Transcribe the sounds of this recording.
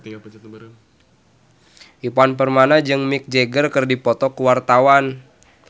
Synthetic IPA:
ʔipanpərmanad͡ʒɨŋmɪk̚d͡ʒeɡərkɨrdipɔt̪ɔkuwart̪awan

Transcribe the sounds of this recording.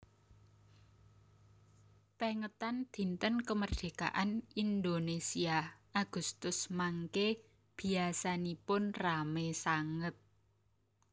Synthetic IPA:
peŋət̪and̪̥i̤nt̪ənkəmərd̪̥e̤ka̰ʔanind̪onesiaʔaɡ̥ust̪ʊsmaŋke | b̥i̤asanipʊnramesaŋət̪̚

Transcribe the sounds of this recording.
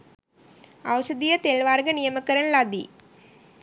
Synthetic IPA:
ɐwɕɐd̪ijɐt̪eːlʋaːrɡɐnijɐmɐkːɐɾɐnlɐd̪i

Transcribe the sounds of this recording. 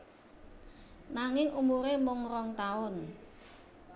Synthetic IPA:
naŋɪŋʔumuɾemʊŋɾɔŋt̪aʊn

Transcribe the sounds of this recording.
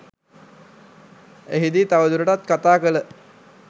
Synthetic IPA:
eɦid̪iːt̪aʋəd̪uɾəʈat̪̚kat̪aːkələ

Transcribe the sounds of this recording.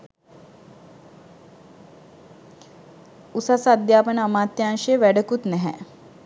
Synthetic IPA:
usasad̪jaːpənəamaːt̪jaːŋʂejəʋæɖəkut̪nɛɦɛ̰

